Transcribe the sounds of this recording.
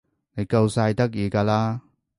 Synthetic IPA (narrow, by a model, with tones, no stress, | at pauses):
ne˨˧jkɐ˧wsa˧jt̪ɐ˥k̚jiː˨˧kaː˧laː˥